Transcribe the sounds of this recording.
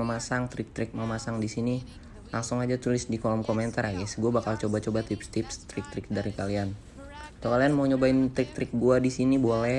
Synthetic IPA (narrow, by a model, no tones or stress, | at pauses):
əmasaŋt̪ɾɪk̚t̪ɾɪk̚məmasaŋdisini | laŋsʊŋad͡ʒat̪ulɪsdikolɔmkomɛnt̪araɡɛsɡuabakalt͡ʃobat͡ʃobat̪ɪpst̪ɪpst̪ɾɪk̚t̪ɾɪk̚daɾikalian | kat̪okalianmauɲobaɪnt̪ɾɪk̚t̪ɾɪk̚ɡuadisinibolɛ